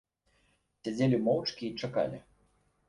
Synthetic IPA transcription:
sʲad͡zʲelʲimɔwt͡ʂkʲiːt͡ʂaka̰lʲi

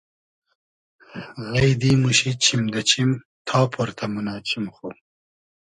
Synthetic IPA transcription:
ɣɐjd̪iːmuɕit͡ɕʰimd̪ɐt͡ɕʰim | t̪ʰɑːpʰoɾt̪ʰɐmunɑːt͡ɕʰimxu

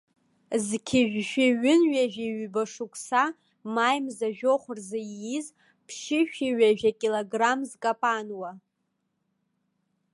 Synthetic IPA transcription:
zkʲʰɪʒᶣʃᶣɪɥɪnɥaʒᶣiɥbaʂukʷʰʼsa | majmzaʒᶣoχʷʊrzajjiz | pʰʃɪʃᶣiɥaʒᶣakʲʼiloɡramzkʼapʼanwa

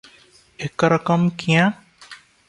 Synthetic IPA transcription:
ekɾəkəmkijã

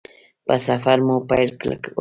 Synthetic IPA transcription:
pasafaɾmopajɾkla̰k

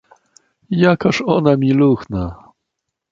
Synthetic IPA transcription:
jakaʂɔnamʲiluxna

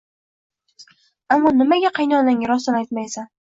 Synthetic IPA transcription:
amːɒnɪmaɡʲaqʰɑjnɒnaŋʲɾɒst̪ɪnajt̪̚majsa

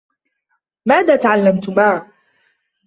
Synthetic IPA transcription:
maːðaːt̪aʕalːamt̪ʊmaːʕ

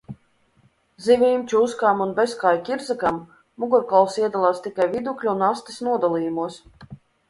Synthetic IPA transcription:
zivʲiːmt͡ʃuskaːmunbeskaːjkʲiɾzakamː | uɡɔɾkɔlˠsiɛd̪alˠaːst̪ikajvid̪uklʲuunast̪isnuɔd̪alˠiːjumuɔs

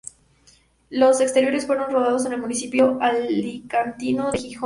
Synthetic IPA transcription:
lo̞se̞kst̪e̞ɾjo̞ɾe̞sfwe̞ɾo̞nro̞β̞aðo̞s̬e̞ne̞lmunisipjo̞ʔalːikant̪ino̞ðexixo

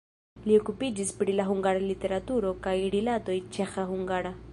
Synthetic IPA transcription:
lio̞kupid͡ʒispɾilaɦuŋɡaɾalite̞ɾatuɾo̞kajɾilato̞jt͡ʃe̞xahuŋɡaɾa

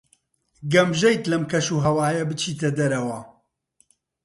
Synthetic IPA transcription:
ɡɐmʒɐjt̪lɐmkɐʃuːɦɐwaːjɐbɨt͡ʃʰiːt̪ʰɐd̪ɐɾɐwɐ

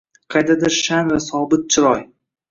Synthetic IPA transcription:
qʰɑjd̪ad̪ɪɾʃanvasɒbɪt̪̚t͡ʃʰɪɾɒj

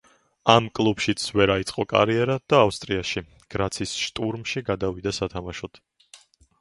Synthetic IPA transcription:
amkʼlˠubʃit̪sʰvɛɾait̪sʼqʼɔkʼa̰ɾiɛɾad̪̥aːfst̪ʼɾiaʃi | ɡ̥ɾat̪sʰisʃt̪ʼuɾmʃiɡad̪avid̪asat̪ʰamaʃɔt̪ʰ

